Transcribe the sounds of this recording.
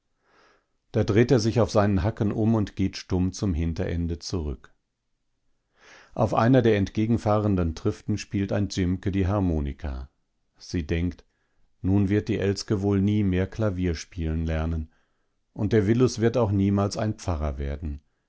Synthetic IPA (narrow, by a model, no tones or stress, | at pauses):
d̥aːdʁeːteːɐzɪçaʊfz̥aɪnənɦakən̩ʔʊmʊntɡ̥eːtʃtʊmt͡sʊmɦɪntɐ̰ʔɛ̰ndət͡suʁʏk | ʔaʊfʔa̰ɪnɐdeːɐɛntɡ̥eːɡŋ̩faːʁəndəntʁ̥ɪftn̩ʃpiːltaɪ̃nt͡sʏmkədiːɦaʁmoːnɪ̰kʰa̰ | z̥iːdɛŋkt | nuːnvɪɐt̚d̥iːʔɛlskəvoːlniːmeːɐkʰlaviːɐʃpiːlənlɛɐnən | ʔʊnt̚d̥eːɐvɪlʊsv̥ɪɐtaʊxniːmaːlsa̰ɪnpp͡faʁɐveːɐdn̩